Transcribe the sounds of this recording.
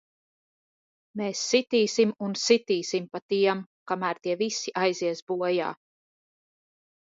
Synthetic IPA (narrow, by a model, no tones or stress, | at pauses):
meːsːit̪iːsimunsit̪iːsimpat̪iɛmkamæːɾt̪iɛvisiʔajziɛsbuɔja̰ː